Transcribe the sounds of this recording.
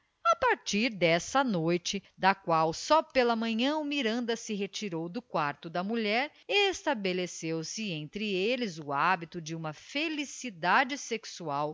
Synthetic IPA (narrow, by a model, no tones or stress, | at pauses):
ɐpaɾt͡ʃiɾd̪ɛsɐnojt͡ʃɪd̪ɐkwawsɔpelɐmɐ̃ɲɐ̃ʊmiɾɐ̃nd̪ɐsɪɦet͡ʃiɾowd̪ʊkwaɾt̪ʊd̪ɐmuʎɛɾ | est̪abelesewsɪẽnt̪ɾɪelɪzʊabit̪ʊd͡ʒɪũmɐfelisid̪ad͡ʒɪseksuaw